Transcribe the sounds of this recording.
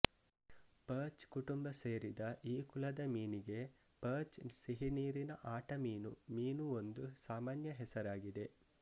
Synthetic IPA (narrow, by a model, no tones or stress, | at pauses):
pɐːt͡ʃkuʈumbɐseːɾid̪ɐʔiːkulɐd̪ɐmiːniɡe̞ | pɐːt͡ʃsiɦiniːɾinɐʔaːʈɐmiːnumiːnuo̞nd̪usaːmaːnjɐɦɛsɐɾaːɡid̪e̞